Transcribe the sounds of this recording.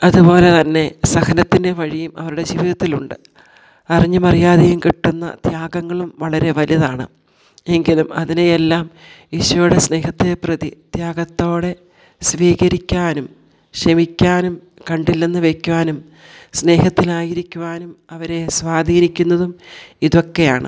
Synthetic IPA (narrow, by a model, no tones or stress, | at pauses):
ɐðupo̞ːle̞t̪ɐnːe̞sɐxɐnɐt̪ːinde̞ʋɐɻijumʔɐ̰ʋɐɾuɽe̞d͡ʑiːʋiðɐt̪ːiluɳɖɨ | ɐriɲːumɐrijaːðɐjumkiʈːunːɐ̰t̪jaːɡɐŋːɐɭumʋɐɭɐɾe̞ʋɐljɐðaːɳɨ̰ | e̞ŋɡilumɐðinejelːaːm | iɕʋɐjuɽe̞sne̞ːhɐt̪ːe̞prɐðit̪jaːɡɐt̪ːo̞ːɽe̞ | sʋiːɣɐɾikʲːaːnum | ɕɐmikʲːaːnum | kɐɳɖilːɐnːɨʋe̞kʲːuʋaːnum | sne̞ːɦɐt̪ːilaːjiɾikʲːuʋaːnumɐʋɐɾe̞swaːd̪ʱiːnikʲːunːɐðumiðo̞kːe̞jaːɳɨ̰